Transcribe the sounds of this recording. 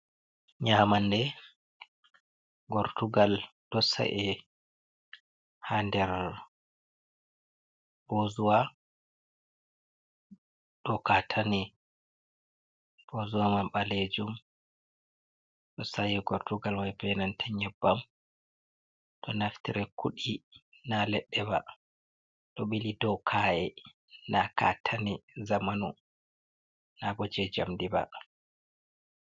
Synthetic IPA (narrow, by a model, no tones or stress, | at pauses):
ɲaːmandɛ | ɡɔɾtuɡald̥ɔsa̰ʔɛ | handɛɾ | b̥ozuwa | ɗɔkatʰani | b̥ozuwamamɓaled͡ʒum | ɗɔsajiɡɔɾtuɡalwajbɛnantʰɛɲɛbːam | ɗɔnaftiɾɛkuɗi | nalɛɗːɛba̰ | ɗɔɓilidɔkʰaɛ | naka̰tʰanizamanu | nabɔd͡ʒɛd͡ʒamdiba̰